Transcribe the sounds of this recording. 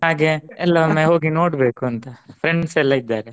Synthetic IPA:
ɦaːɡeɛlːɐʋɐmːeɦoːɡino̞ːɽbe̞ːkuɐnt̪ɐpʰɾeɳɖsɛlːɐid̪ːaːɾe

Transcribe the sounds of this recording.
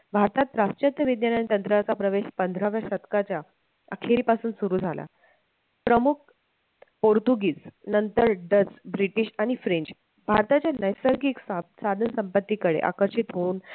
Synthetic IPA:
bʱaɾt̪at̪ɾast͡ɕət̪jəʋid̪janañt̪ənt̪ɾat͡sapɾəʋeɕpənd̪ʱɾaʋjəsət̪kat͡ɕja | ə̰kʰeɾiːpasuːnsuɾuːd͡zʱala̰ | pɾəmuk̚ʰ | poɾt̪uɡiːd͡znənt̪əɾɖəd͡zbɾiʈiːɕaɽ̃ifɾeɲt͡ɕ | bʱaɾt̪at͡ɕjanəjsəɾɡikssad̪ʱənsəmpət̪ːiːkəɽḛʔa̰kəɾɕit̪ɦouːn

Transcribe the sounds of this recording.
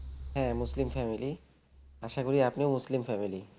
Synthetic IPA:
ɦɛ̃muslimfɛmili | aʃakoɾiapnewmuslimfɛmili

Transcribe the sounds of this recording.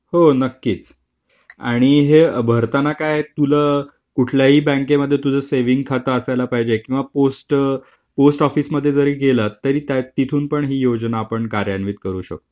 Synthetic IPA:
honəkːiːt͡s | a̰ɽ̃iɦebʱəɾt̪anakajt̪uləː | kuʈʰljaɦiːbə̃ŋkeməd̪ʱːjet̪ud͡zʱəseʋiŋɡ̚kʰat̪aːsajlapaɦid͡ʑekĩw̃ʋaposʈ | posʈɔfiːsməd̪ʱːjed͡zəɾiːɡelət̪ːəɾiːt̪jat̪it̪ʰuːnpəɳɦiːjod͡ʑnaːpəɳkaɾjanʋiːt̪̚kəɾuːɕə̰k̚t̪

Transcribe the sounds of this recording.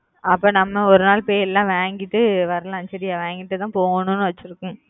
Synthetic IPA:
ɐpːoːnɐmːɐɔɾɯnaːlpoːjɛlːãːʋeːŋɡɪʈːɯʋɐɾɐlãɐnt͡ʃɐɾɪjaːʋeːŋɡɪʈːɯt̪ãːpoːŋɡɐnʊ̃nːɯʋɐt͡ʃːɪɾɯkːʊ̃

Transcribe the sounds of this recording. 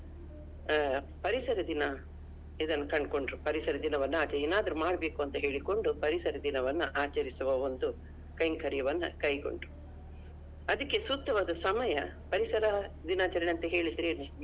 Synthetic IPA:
pɐɾisɐɾɐd̪inɐ | id̪ɐnːɐkɐɳɖ̚ko̞ɳɖɾupɐɾisɐɾɐd̪inɐʋɐnːuaːt͡ʃɐɾeːnaːd̪ɐɾumaːɽɐbe̞ːkuɐnt̪ɐɦe̞ːɭiko̞ɳɖupɐɾisɐɾɐd̪inɐʋɐnːuʔaːt͡ʃɐɾisuʋɐo̞nd̪u | kɐjŋɡkɐɾjɐʋɐnːṵkɐjko̞̰ɳɖɾu | ɐd̪ɐkːe̞sut̪ːɐʋaːd̪ɐsɐmɐjɐ | pɐɾisɐɾɐd̪inaːt͡ʃɐɾɐɐnt̪ɐɦe̞ːɭid̪iɾeɐ

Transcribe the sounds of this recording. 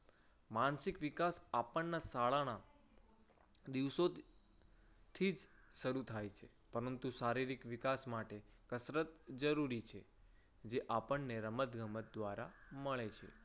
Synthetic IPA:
mansikʋikasapəɳːasaɭaña | d̪iʋso | t̪ʰid͡ʒʃəɾut̪ʰajt͡ʃʰe | pəɾənt̪uʃaɾiɾikʋikasmaʈekəsɾət̪d͡ʒəɾuɾit͡ʃʰe | d͡ʒeʔapəɳneɾəmət̪ɡəmət̪̚d̪ʋaɾaməɭet͡ʃʰḛ

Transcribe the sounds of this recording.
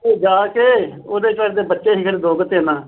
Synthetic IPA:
eːd͡ʒaːkeːoːd̪eːt͡ʃaːɾd̪eːbətːʃeːɦɪkʰəɾd̪oːɡət̪eːnaː

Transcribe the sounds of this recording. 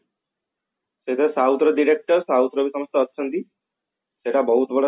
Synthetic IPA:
set̪ɾsaut̪ɾəɖiɽek̚ʈəɾsaut̪ɾəbʱisəməst̪əːt̪ːt͡ʃʰənt̪i | seʈabəɦut̪bəɽa

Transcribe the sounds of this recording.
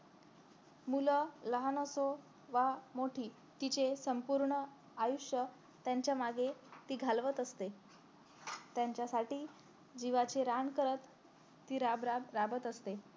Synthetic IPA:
mulələɦanoso | ʋamoʈʰiː | t̪it͡ɕesəmpuɾɳə | ajuʂjə | t̪jaɲt͡ɕjamaɡet̪iːɡʱalʋət̪əst̪e | t̪jaɲt͡ɕjasaʈiː | d͡ʑiʋat͡ɕeɾaɳkəɾət̪ː | iːɾabɾaɾabət̪əst̪e

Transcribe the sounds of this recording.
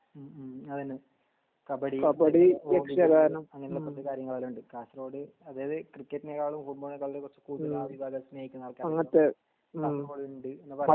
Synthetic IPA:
ɐðinɨ | kɐbɐɽikɐbɐɽieksɐɡaːɾɐnɐmɐŋːɐneiulːeprɐt̪ːɨkaːɾjɐŋːɐɭaːluɳɖɨkaːsroːɽɨ | ɐðeːjɐðɨkrikʲːetːɨneːɣaːɭumfuʈ̚boɭekːaɭɾekːurɐt͡ɕːɨ̥kuːt̪ilaʋibʱaːɡɐsmeːjikʲːunːɐɭkːaːɐŋːɐt̪ːe | aːsroːɽɨuɳɖɨenːɨpɐɐ

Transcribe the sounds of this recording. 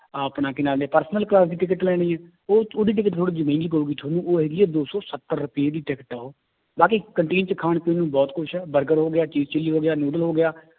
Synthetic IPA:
əpnaːkɪnaːleːpəɾsnəlklaːsd̪iːʈɪkəʈlɛːɽ̃iːɛː | oːoːd̪iːʈ̬ɪk̬əʈt̪ʰoːɽiːd͡ʒəmĩːŋɡiːk̬ouːɡiːʈ̪ʰoːnũːʔoːɦeɡiːɛːd̪oːsɔːsət̪ːəɾːʊpieːd̪iːʈɪkəʈɛːɦoː | baːkiːkəɳʈeːnt͡ʃəkʰaːɳpeːnũːbɔːt̪kʊʃʰɛːbəɾɡəɾɦoːɡɪjaːt͡ʃiːzt͡ʃəliːɦoːɡɪjaːnuːɖəlɦoːɡɪjaː

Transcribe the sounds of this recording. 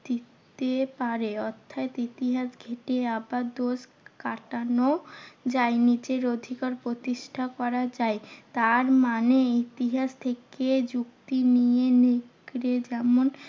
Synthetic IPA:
d̪it̪epaɾeɔt̪ʰːaet̪it̪iɦaʃɡʱeʈeabaɾd̪oʃ | kaʈanod͡ʑaenit͡ɕeɾod̪ʱikaɾpɾot̪iʃʈʰakɔɾad͡ʑaet̪aɾmaneit̪iɦaʃt̪ʰeked͡ʑukt̪inijeneɡɾed͡ʑɛmon

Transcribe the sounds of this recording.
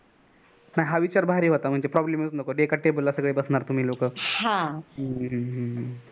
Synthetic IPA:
naɦiɦaʋit͡ɕaɾbʱaɦɾiɦot̪am̤əɳd͡zepɾɔbleməsnəkoɖekaʈːebolasəɡɭebəsnaɾt̪um̤iːlokəɦãɦəɦə̃ɦə

